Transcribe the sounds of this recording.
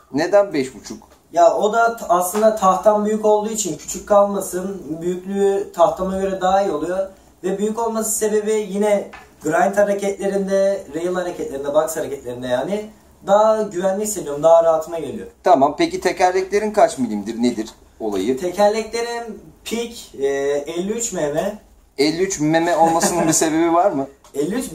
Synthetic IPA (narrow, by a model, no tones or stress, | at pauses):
ned̪ænbɛʃbut͡ʃʰuk | jao̞d̪aːslˠɯnd̪at̪ʰaxt̪ʰanbyjyko̞lˠd̪uːit͡ʃʰincʰy̥t͡ʃʰyc̚ʲkʰːalˠmasɯnbyjyclʲyt̪ʰaht̪ʰamaɟø̞ɾɛd̪aːilo̞lˠujo | vɛbyjyco̞lˠmasɯ̥se̞be̞bijinɛɡɾajnt̪haɾacʰɛt̪lʲe̞ɾind̪ɛɾejɯlˠhaɾacʰɛt̪lʲeɾind̪ɛbakshaɾacɛt̪lʲeɾind̪ɛjaːnɪ | d̪aːɟyvænlʲiçised̪ijo̞ɾumd̪aɦːɾaɦat̪ʰɯmaɟelʲijot̪ʰamampecit̪ʰecælʲɛclʲe̞ɾinkʰat͡ʃmilʲimd̪iɾned̪iɾ̥ | o̞lˠa̰jɯt̪ʰecʰæɾlʲɛclʲe̞ɾinpʰicː | ɛlʲːiyt͡ʃmemɛ | ɛlʲːiyt͡ʃmemɛo̞lˠmasɯnɯnbise̞be̞bivaɾmɯ | ɛlʲːiyt͡ʃ